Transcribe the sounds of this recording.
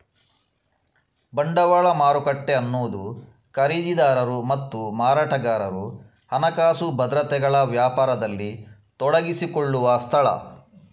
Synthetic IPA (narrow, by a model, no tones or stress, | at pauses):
bɐɳɖɐʋaːɭɐmaːɾukɐʈːe̞ɐnːoːd̪u | kɐɾiːd͡ʒid̪aːɾɐɾumɐt̪ːumaːɾaːʈɐɡaːɾɐɾu | hɐnɐkaːsubɐd̪ɾɐt̪ɛɡɐɭɐʋjaːpaːɾɐd̪ɐlːit̪ɔɽɐɡisikɔɭːuʋɐst̪ʰɐɭɐ̰